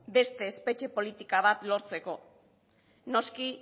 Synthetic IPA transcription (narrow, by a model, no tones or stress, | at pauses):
be̞st̪e̞ːspe̞t͡ʃe̞po̞lit̪ikaβ̞at̪lo̞ɾt͡se̞ko̞ | no̞ski